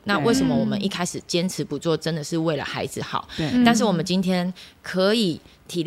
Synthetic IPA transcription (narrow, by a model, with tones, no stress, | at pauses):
na˥˧we˥˩ɪʂə˧˥nmə˦wɔ˨˩mə̰˦ni˥˩kʰa˥ɪʂɻ̩˨˩t͡ɕjɛ˥nt͡s̩ʰ˨˧˥pu˨˦t͡swɔ˥˩ʈ͡ʂə˦nd̪ə˨ʂɻ̩˥˧we˥˩ɪlə̰˩xa˧˥ɪd͡zɨ˨xɑ̰˨˩˦ʊt̪a˥˧nʂ̬ɻ̩˥˩wɔ˨˩mə˦nt͡ɕi˥nt̪ʰjɛ˥nkʰɤ˧˦i˨˩ | t̪ʰi˨˩l